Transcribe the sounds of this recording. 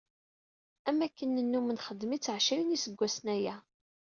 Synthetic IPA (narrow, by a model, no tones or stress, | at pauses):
æmækːənːənːumənχəd̪ːmit͡sːəʕʃæwinisəɡʷːæsnæjæ